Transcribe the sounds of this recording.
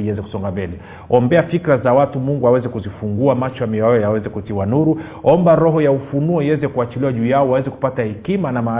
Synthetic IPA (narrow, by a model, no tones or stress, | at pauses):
iɛzɛku̥sɔŋɡambɛlɛ | ɔmbɛafikɾazawatumuŋɡuawɛzɛkuzifuŋɡuamat͡ʃɔamiɔjɔjawɛzɛkutiwanuɾu | ɔmbaɾɔɦɔjaufunuɔiwɛzɛkuat͡ʃiliwaʄuːjaɔwawɛzɛku̥patahɛkimanamaː